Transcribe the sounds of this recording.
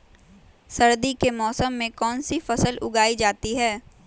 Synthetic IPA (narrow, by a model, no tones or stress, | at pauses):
sɐɾd̪ikemɔːsəmːẽkɔːnsifɐsəlʊɡaːid͡ʒaːt̪iɦɛː